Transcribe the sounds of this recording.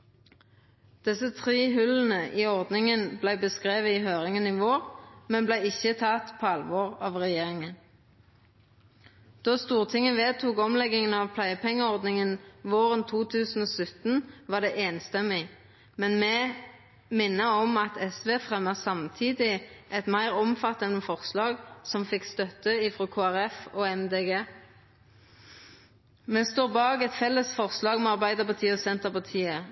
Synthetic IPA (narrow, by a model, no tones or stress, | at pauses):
d̪̥ɛsət̪ʰʁiːɦʉln̩əʔiːɔʁd̪nɪŋənblæɪbəskʁeːʋəiɦøːʁɪŋənɪʋoːʁmɛnblæɪɪçət̪ʰɑt̪pʰɔɑlʋɔːʁɑːʋʁɛjeːʁɪŋən | d̪̥oːst̪uːʁt̪ʰɪŋːəʋeːt̪ʰuːkɔmlɛɡɪŋənɑʋpʰlæɪəpʰɛŋːəɔʁd̪nɪŋənʋoːʁənt̪ʰuːt̪ʰʉːsn̩oːsʉt̪n̩ʋɑd̪ɛʔeːnst̪ɛmɪ | mɛnmɛ | mɪnːəɔmɑt̪ʰɛsʋeːfʁɛmːəsɑmt̪ʰiːd̪ɪʔɛt̪mæɪʁɔmfɑt̪ːɑnəfɔʁslɑːɡsɔmfɪkst̪œt̪ːəɪfʁokʰoːæʁɛfoːɛmd̪eːɡeː | mɛst̪oːʁbɑːɡɛt̪fɛlːəsfɔʁslɑːɡmɛɑʁbæɪd̪əʁpɑt̪ʰiːəɔsɛnt̪əʁpɑʁt̪ʰiːə